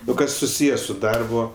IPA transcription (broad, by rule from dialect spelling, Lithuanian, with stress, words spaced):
oː ˈkɐs sʊˈsʲiːjɛ sʊ ˈdɐrbʊ